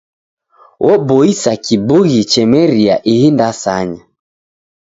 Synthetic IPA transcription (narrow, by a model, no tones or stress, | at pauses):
wʔɔbɔisakibuɣit͡ʃɛmɛɾiaʔihindasaɲa